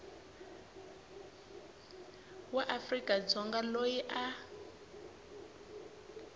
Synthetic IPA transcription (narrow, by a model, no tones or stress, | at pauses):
waʔafrikʼad͡zɔŋɡalojiʔa